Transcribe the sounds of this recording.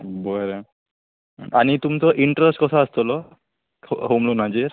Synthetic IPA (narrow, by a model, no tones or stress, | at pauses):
bɔɾe | ʔanit̪umit̪ɔʔiɳʈɾesʈkɔt̪ʰaast̪ʰɔlɔ | ɦomlonad͡ʑeɾ